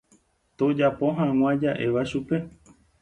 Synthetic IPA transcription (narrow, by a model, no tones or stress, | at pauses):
t̪od͡ʒapo̞ɦãw̃ãd͡ʒaʔe̞ʋaʃupe̞